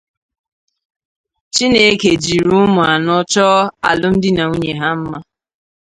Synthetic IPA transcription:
t͡ʃi˦ne˦ke˨d͡ʒi˨ɾu˦mʊ˨a˨nɔ˦t͡ʃɔ˦a̰˨lʊ˦m̩˦dɪ˦na˨u˦ɲe˨ɦa˦m̩˦ma˦

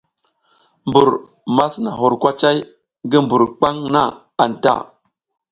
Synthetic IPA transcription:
mbu˨ɾ | ma˦sna˨ɦu˨ɾkʷa˦t͡ʃa˦j | ɡi˦mbu˨ɾk͡pa˦ŋna˦ | a˨n˨ta̰˦˨

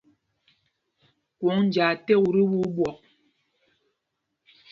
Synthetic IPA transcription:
kwɔ˨˦ŋn˨d͡ʒaː˨tɛ˦˨ɣu˨ɾi˦wu˦ɓwɔ˨

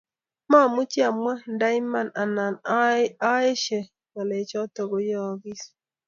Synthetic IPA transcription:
ma˦˨mu˦t͡ʃi˦a˨m˦a˦n̩˨da˦i˦ma˦na˨na˨n˦a˦e˦ʃe˨ | na˨ne˨t͡ʃɔ˦to˨ɡo˨jɔ˦ɔ˨˦ɡi˦s

